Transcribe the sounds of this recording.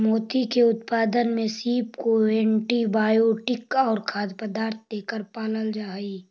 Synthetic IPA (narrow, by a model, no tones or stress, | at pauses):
moːt̪ikeʊt̪paːd̪ənmẽsiːpkoɛ̃ːɳʈibaːjoːʈɪkɔːɾkʰaːd̪pəd̪aːɾt̪̚ʰd̪eːkəɾpaːləld͡ʒaːi